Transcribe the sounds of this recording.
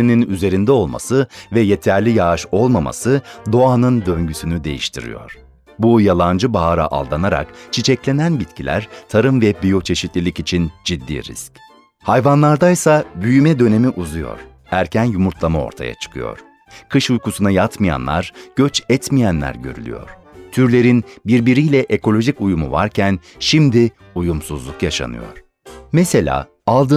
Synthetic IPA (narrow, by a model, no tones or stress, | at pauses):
ininyze̞ɾind̪ɛo̞lˠma̰sɯvɛje̞t̪ʰæɾlʲijaʃo̞lˠmama̰sɯd̪o̞anɯnd̪ø̞ɲɟysynyd̪e̞jiʃt̪ʰiɾḭjo̰ɾ̥ | bujalˠand͡ʒɯbaɦaɾa̰ʔa̰lˠd̪anaɾa̰kt͡ʃʰit͡ʃʰɛclʲe̞nænbit̪cʰilʲæ̰ɾt̪ʰaɾɯmvɛbijo̞t͡ʃʰe̞ʃit̪lʲilʲicit͡ʃʰind͡ʒid̪ːḭːɾḭsc | hajvanlˠaɾd̪ajsabyjymɛd̪ø̞ne̞miʔuzujo̞̰ɾ̥ | æɾcʰænjumuɾt̪ʰlˠamao̞̰ɾt̪ʰa̰ja̰t͡ʃʰɯ̥kʰɯ̰jo̰ɾ̥ | kʰɯʃujkusunajat̪mɯja̰nlˠa̰ɾɟ̥øt͡ʃɛt̪mijænlʲæ̰ɾɟø̞̰ɾy̰lʲy̰jo̰ɾ̥ | t̪ʰyɾlʲe̞ɾinbiɾbiɾijlʲɛʔekʰo̞lʲo̞ʒicujumṵva̰ɾcʰænʃimd̪i | ujumsuzlˠukjaʃa̰nɯ̰jo̞̰ɾ̥ | mɛse̞lʲa̰ː | alˠd̪ɯ